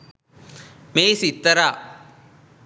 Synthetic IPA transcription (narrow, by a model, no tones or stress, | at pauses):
meːsit̪ːɐɾaː